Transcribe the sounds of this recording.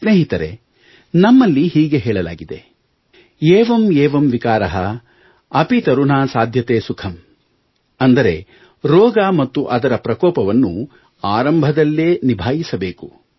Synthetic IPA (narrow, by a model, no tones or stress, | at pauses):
sneːɦit̪ɐɾe̞̰ | nɐmːɐlːiɦiːɡe̞ɦɛːɭɐla̰ːɡid̪ḛ | ɛːʋɐmɛːʋɐmʋikaːɾɐɦɐ | ɐpit̪ɐɾuɳaːsaːd̪ʱjɐt̪eːsukʰɐm | ɐnd̪ɐɾe̞ | ɾɔːɡaːmɐt̪ːuʔɐd̪ɐɾɐpɾɐkɔːpɐʋɐnːu | aːɾɐmbʱɐd̪ɐlːeːnibʱaːjisɐbeːku